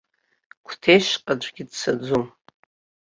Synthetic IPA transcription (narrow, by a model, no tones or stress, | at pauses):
kʷʰtʰejʃqʼad͡ʒʷɡʲidsʰad͡zom